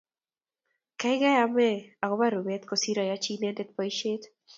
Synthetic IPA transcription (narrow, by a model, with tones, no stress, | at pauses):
ka˦ɪ˦ɡa˦ja˦mɛ˦a˨ɡo˦ba˦ɾu˨bɛ˦t̪ko˨si˦ɾa˨ja˦t͡ʃi˦nɛ˦ndɛ˦t̪̚pɔ˨jʃet̪